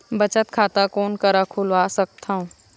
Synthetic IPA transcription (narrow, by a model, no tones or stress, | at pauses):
bɐt͡ʃət̪kʰaːt̪akoːnkɐɾakʰulʋaːsɐk̚t̪ʰaːɦũː